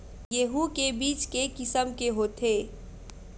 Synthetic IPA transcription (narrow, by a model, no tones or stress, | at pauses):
jeɦukebiːt͡ʃkekɪsəmkeɦoːt̪ʰeː